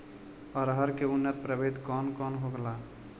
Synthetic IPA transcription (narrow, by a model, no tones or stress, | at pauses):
ɔɾɦəɾkeunːət̪̚pɾəbed̪kɔnkɔnɦoɡəla